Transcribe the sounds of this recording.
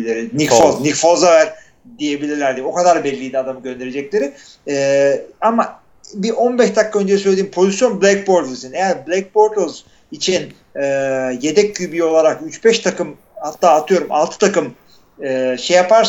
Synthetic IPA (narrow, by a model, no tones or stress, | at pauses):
lʲeɾinikfoznikfozavæɾ̥ | d̪ije̞bilʲiɾlʲæɾd̪ʲio̞kʰad̪aɾbɛlʲːiːd̪ɛad̪amɯɟø̞nd̪e̞ɾed͡ʒɛclʲe̞ɾɪ | ɛːama | biʔo̞nbɛʃd̪akʰːaø̞nd͡ʒɛsøjlʲed̪impʰo̞zisjo̞nblʲæk̚bo̞ɾd̪ɯsinejæɾblʲɛc̚bo̞ɾd̪z̥ | it͡ʃʰin | ɛːje̞d̪ɛcʰːybio̞lˠaɾakyt͡ʃbɛʃt̪ʰakɯm | hat̪ʰːaːt̪ʰɯjo̞ɾuma̰lˠt̪ʰɯ̥t̪ʰakɯm | ɯːʃejapaɾs